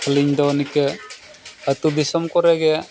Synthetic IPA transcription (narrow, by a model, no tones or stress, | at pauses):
kʰliɲd̪ɔnikɛ | ət̪ud̪isɔmkɔɾɛɡɛ